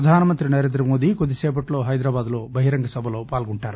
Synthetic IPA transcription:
ɐd̪ʱaːnɐmɐnt̪ɾinɐɾeːnd̪ɾɐmoːd̪ikod̪ːiseːp̬ɐʈlo̞ːɦɐjd̪ɾaːbaːd̪loːbɐɦiɾɐŋɡɐsɐbʱɐloːpaːlɡuɳʈaːɾu

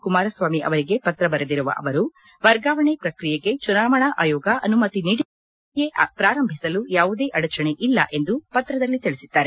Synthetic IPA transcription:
kumaːɾɐsʋaːmiʔɐ̰ʋɐɾiɡe̞pɐt̪ɾɐbɐɾed̪iɾuʋɐ̰ʔɐ̰ʋɐɾu | ʋɐɾɡaːʋɐɳepɾɐkɾijeɡe̞t͡ʃunaːʋɐɳɐʔa̰ːjɔːɡɐʔɐnumɐt̪iniɽ | jepɾaːɾɐmbʱisɐlujaːʋud̪e̞ːʔɐɽɐt͡ʃɐɳe̞ʔilːɐ̰ʔe̞nd̪upɐt̪ːɾɐd̪ɐlːit̪iɭisid̪̥ːaːɾe

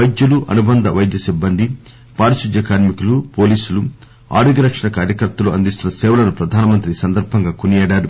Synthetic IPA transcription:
ɐjd̪jɐluʔɐnubɐnd̪ɐʋɐjd̪jɐsibːɐnd̪ʱi | paːɾɐsid̪jɐkaːɾmikulupo̞ːliːsulu | a̰ːɽiɡɐɾɐkʂɐɳɐkaːɾjɐkɐɾt̪ːɐluɐ̰nd̪ist̪unɐsɛːʋɐlɐnupɾɐd̪ʱaːnɐmɐnt̪ɾisɐnd̪ɐɾbʱɐŋɡaːkunijɛːɽaːɾu

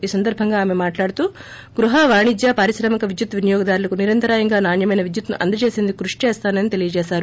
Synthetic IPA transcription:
iːsɐnd̪ɐɾbʱɐŋɡaːmemaːʈlaːɽut̪uː | ɡɾuɦaːʋaːɳid͡ʒ̪jaːpɐɾisɾɐmɐkɐʋid̪jut̪ʋinɐjɔːɡɐd̪aːɾulɐkuniɾɐnt̪ɐɾaːjɐŋɡaːnaːɳjɐmɐjnɐʋid̪jut̪nṵʔɐ̰nd̪ɐt͡ʃeːsend̪ukːɾuʂi̥t͡ʃɛːst̪aːnɐnit̪e̞lijɐt͡ʃɛːʃaːɾu

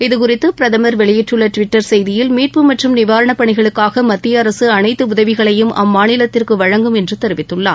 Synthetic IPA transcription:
ɪðɯkʊrɪt̪ːɯpɪɾɐðɐmɐɾʋɛɭɪjɪʈrɯɭːɐʈʋɪʈːɐɾsɛjðɪjɪlmiːʈ̚pɯmɐʈrɯmnɪʋaːɾɐɳɐpːɐɳɪɣɐɭɯkːaːɣɐmɐt̪ːɪjɐːɾɐsɯɐnɐɪt̪ːɯʊðɐʋɪɣɐɭɐjɯmʔɐ̰mːaːnɪlɐt̪ːɪrkɯʋɐɻɐŋɡɯmɛndrɯt̪ɛɾɯʋɪt̪ːɯɭːa̰ː

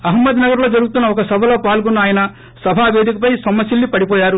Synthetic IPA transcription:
ɐɦɐmːɐd̪nɐɡɐɾloːd͡ʒɐɾuɡut̪unːɐɔkɐsɐbʱɐlo̞ːpaːlɡunːɐaːjɐnɐ | sɐbʱaːʋe̞ːd̪ikɐpɐjsɔmːɐsilːipɐɽipɔːjaːɾu

